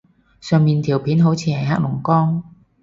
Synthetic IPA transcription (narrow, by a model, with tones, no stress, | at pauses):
sœː˨˧ŋmiː˨nt̪ʰiː˨˩wpʰiː˨˥nɦo˨˥wt͡sʰiː˨˧hɐ˨˩jɦa̰ː˥t̚mʊ˨˩ŋkɔː˥ŋ